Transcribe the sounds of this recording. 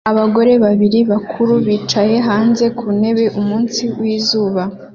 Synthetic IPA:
aβaɡo̞ɾe̞βaβiɾiβakʰuɾuβiːt͡ʃaje̞ɦaːnze̞kʰune̞βe̞ʔumuːnsiwiːzuːβa

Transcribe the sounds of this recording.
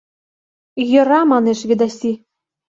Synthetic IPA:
jɤ̆ɾɑmɑneʃβʲid̪ɑsʲi

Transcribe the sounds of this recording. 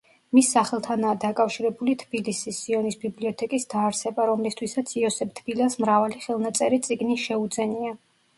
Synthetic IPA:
misːaχɛlˠt̪ʰanaːd̪akʼafʃiɾɛbulit̪ʰb̥ilisisːiɔnisbibliɔt̪ʰɛkʼisd̪̥aːɾsɛbaɾɔmlist̪ʰwisat̪sʰiɔsɛb̚t̪ʰb̥ilasmɾavaliχɛlˠnat̪sʼɛɾit̪sʼiɡniʃɛud̪zɛnia

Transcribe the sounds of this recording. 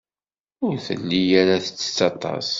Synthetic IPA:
ʊɾθə̰nːijaɾaθə̥t͡sːə̥t͡sːɑt̪ˤɑ̰s

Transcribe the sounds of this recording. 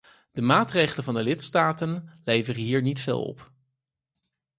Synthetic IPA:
d̥əmaːtrejχələnvɑndəlɪtstaːtənlejvərəɦiːɹnitfḛːlˠɔ̰p

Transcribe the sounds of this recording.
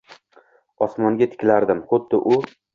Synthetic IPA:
ɒsmɒŋɡʲat̪ʰɪ̥kʲlaɾd̪ɪmχʊd̪ːɪʔʊ

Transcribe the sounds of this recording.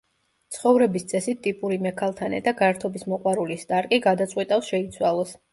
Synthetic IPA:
t̪sʰχɔvɾɛbist̪sʼɛsit̪t̪ːʼipʼuɾimɛkʰalˠt̪ʰanɛ̰d̪aɡaɛɾt̪ʰɔbismɔqʼwaɾulisd̪ʼaɾkʼiɡad̪at̪sʼqʼwit̪ʼafsʃɛit̪sʰwalˠɔs

